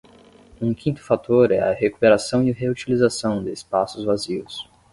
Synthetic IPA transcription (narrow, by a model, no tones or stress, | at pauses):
ũkĩnt̪ʊ̥fat̪oɾɛɐ̰heku̥peɾasɐ̃w̃iɦeut͡ʃilizasɐ̃w̃d̪ɪːspasʊzvaziʊs